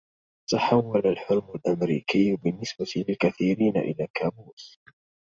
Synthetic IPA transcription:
t̪aħawːalalħʊɾmalʔamɾiːkɪjːbɪnːɪsbat̪lɪlkaθiːɾiːna̰ʔɪ̰laːkaːbuːs

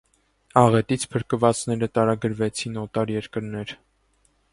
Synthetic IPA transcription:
ɑʁɛt̪it͡sʰpʰəɾkəvɑt͡snɛɾət̪ɑɾɑɡəɾvɛt͡sʰinɔt̪ɑɾjɛɾkəɾnɛɾ

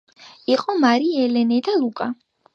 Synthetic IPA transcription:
iqʼɔmaɾiɛlɛnɛd̪alˠukʼa

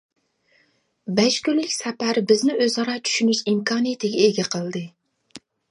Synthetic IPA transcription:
bɛʃkʲylːɪkʲsɛpæɾbɪznɪøzɑɾɑt͡ʃʰy̥ʃynyʃimkʰɑːnɨjet̪ʰɪɡʲɛeɡʲɛqʰəlˠd̪ɨ

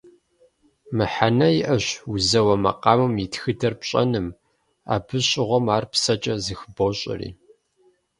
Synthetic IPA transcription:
mɨħanɐjɪʔɐɕʊzɐwɐmɐ̰qɑːmɨmjitxɨdɐrpɕʼɐ̰nɨm | a̰ːbɨɕʼɪʁʷɔmaːrpsɐt͡ʃʼɐzɨxboɕʼɪ̰rḭː

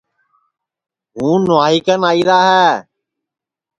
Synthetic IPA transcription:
ɦũːnʊaːɦikənaːiːɾaːɦɛː

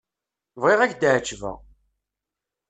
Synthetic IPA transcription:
vʁeʁæçd̪ʕt͡ʃːvæ̰

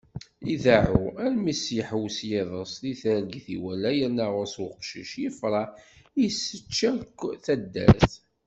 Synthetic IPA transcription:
iðaʕuælmæsiəħwsjeðˤəsˤðiθæɾəɡθiwælːæjənːæʁʊɾswqʃəʃjəfɾˤɑ | jsːət͡ʃːækːθæd̪ːæ̰θ

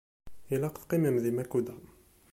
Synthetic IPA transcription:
ilæqt̪qimæmðimækud̪æ

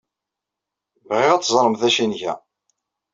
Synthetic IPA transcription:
vʁɪʁæt͡sːzˤɾˤəmθæʃinʝæ̰

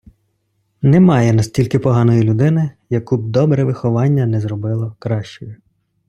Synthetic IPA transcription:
nɛmɑjɛnɐsʲtʲilʲkɪpɔɦɑnɔjilʲʊd̪ɪnɪ | jɐkub̚d̪ɔbɾɛʋɪxɔʋɑnʲːɐnɛzɾɔbɪlˠɔkɾɑʃt͡ʃɔjʊ

